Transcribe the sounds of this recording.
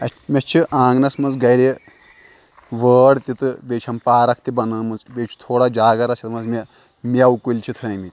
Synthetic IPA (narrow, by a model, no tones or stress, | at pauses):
ɐmʲɐt͡ʃʰiʔãːŋɡnɐsmɐnzɡɐɾe | ʋəːɽt̪ʲit̪ɨbʲeːt͡ʃʰɐmpaːɾɐk̚ʰt̪ibɐnɐːmɐnzbʲet͡ʃʰi̥t̪ʰoːɽad͡ʒaːɡɐɾɐsʰit̪mɐzmʲe | mʲaukulʲt͡ʃʰit̪ʰɐmit̪ʲ